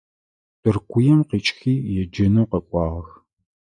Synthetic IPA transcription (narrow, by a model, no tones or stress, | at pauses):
d̥ɨrkʷʰʊjɛmqiːt͡ʃʼxiːjɛd͡ʒɐnuːqɐkʷʼɑːʁɐx